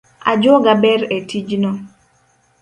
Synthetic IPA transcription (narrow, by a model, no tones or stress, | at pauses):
a̰d͡ʒɔɡabɛɾetʰid͡ʒnɔ